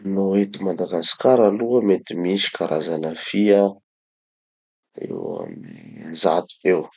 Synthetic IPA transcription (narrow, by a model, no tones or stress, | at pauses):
noet̪imad̪aɡasi̥kaɾaluəmet̪imisi̥kʰaɾʔazanəfia | ḛwa̰mzat̪u̥ew